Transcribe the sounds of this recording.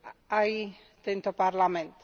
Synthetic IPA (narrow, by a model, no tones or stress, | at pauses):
aj | d̪ɛnt̪ʰɔpaɾlamɛnt